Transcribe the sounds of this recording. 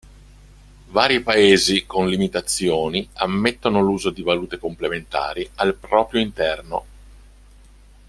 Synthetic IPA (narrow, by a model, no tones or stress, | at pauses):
vaːɾipaeːzikonlimit̪at̪sːjoːniamːet̪ːonoluːzod̪ivaluːt̪ekomplement̪a̰ːɾialpɾɔːpɾjoint̪ɛrno